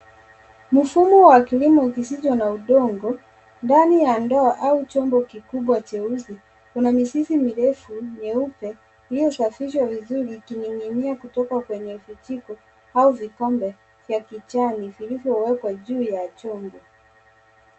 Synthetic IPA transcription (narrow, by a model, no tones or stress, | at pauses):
mufumuwakilimɔkisit͡ʃɔnauɗɔŋɡɔ | ndanijandɔaʔaut͡ʃɔmbɔkikuɓwat͡ʃɛuzi | kunamisisimiɾɛfuɲɛupɛ | lijɔsafiʃ̬wavizuɾikiniŋimiakutɔkakwɛɲɛufutikɔ | auvikɔmbɛ | vjakit͡ʃanivilivjɔwɛkwaʄuːjat͡ʃɔmbɔ